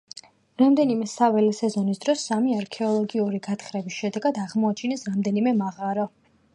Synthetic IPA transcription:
ɾamd̪ɛnimɛsavɛlɛsɛzɔnisd̪ɾɔsːamiaɾkʰɛɔlˠɔɡiuɾiɡat̪ʰχɾɛbisʃɛd̪ɛɡad̪aʁmɔat͡ʃʰinɛsɾamd̪ɛnimɛmaʁaɾɔ

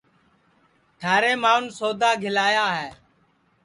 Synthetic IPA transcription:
ʈʰaːɾeːmaːnsoːd̪aːɡʱɪlaːjaːɦɛː

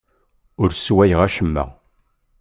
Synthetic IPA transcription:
ʊɾswæjʁæʃəmːə̰

